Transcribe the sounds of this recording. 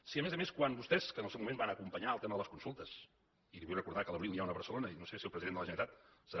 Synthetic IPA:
siəmezəmeskwanbust̪ɛskənəlˠsewmumẽmbanəkumpəɲaːlˠt̪eməðələskunsulˠt̪əs | iliβujrəkuɾðakələβɾilniawnəβəɾsəlonəinosesewpɾəziðend̪ələʒənəit̪at̪̚səɾa

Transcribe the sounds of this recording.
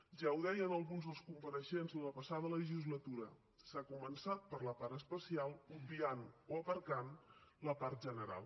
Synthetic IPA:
ʒawðɛjənəlˠɣunzðəlˠskumpəɾəʃenzðələpəsaðələʒizlət̪uɾə | sakumənsat̪̚pəɾləpaɾəspəsialˠubianoəpəɾkanləpaɾt̪̚ʒənəɾa̰lˠ

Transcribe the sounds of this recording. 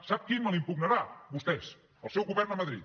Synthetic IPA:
sap̚kiməlˠimpuɡnəɾabust̪ɛs | əlˠsɛwɣuβɛrnəməðɾḭt̪

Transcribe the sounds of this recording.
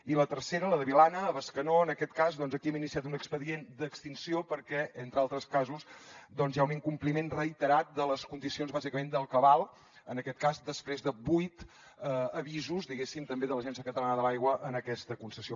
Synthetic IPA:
ilət̪əɾseɾələðəβilanəːβəskənoənəkɛt̪kazðɔnzəkiɛminisiat̪unəkspəðiend̪əkst̪insiopəɾkɛent̪ɾəalˠt̪ɾəskazusd̪ɔnzjauniŋkumplimenrəit̪əɾat̪̚d̪ələskund̪isionzβazikəmend̪əlˠkəβalˠ | ənəkɛt̪kazd̪əspɾezðəbujt̪ | əəβizuzd̪iɣesimt̪əmbeðələʒɛnsiəkət̪əlanəðəlajɣwəʔənəkɛst̪əkunsəsio

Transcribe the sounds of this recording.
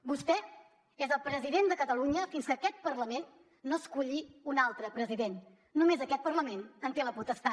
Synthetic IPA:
bust̪ɛ | ezəlˠpɾəziðend̪əkət̪əluɲəfinskəkɛt̪̚pərləmenː | oəskuʎiunalˠt̪ɾəpɾəziðenː | umezəkɛt̪̚pərləmenənt̪eləput̪əst̪a

